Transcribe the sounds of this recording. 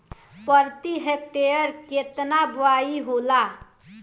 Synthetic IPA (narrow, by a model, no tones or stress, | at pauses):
pəɾt̪iɦek̚ʈejəɾket̪nabʋaiɦola